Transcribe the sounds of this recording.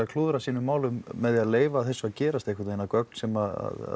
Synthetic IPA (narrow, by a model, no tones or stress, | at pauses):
akʰluːðɾasiːnʏmaːwlʏmːɛðɪaðleːjvaːðθɛsːaðcɛːɾast̪ehkʰɪɾt̪ejnakœk̚n̥sɛmaða̰ða̰